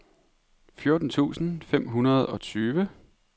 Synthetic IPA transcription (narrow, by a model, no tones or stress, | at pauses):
fjo̝ɐd̥n̩t͡sʰṵːsn̩fem̰ɦunɐð̞ˠɒ̽t͡sʰyːʋə